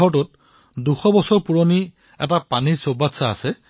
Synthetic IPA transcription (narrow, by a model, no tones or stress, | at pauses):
ɔtʊt̚ | duxɔbɔsɔɹpuɹoni | ɛ̰tapaniɹsobatsa̰ːsɛ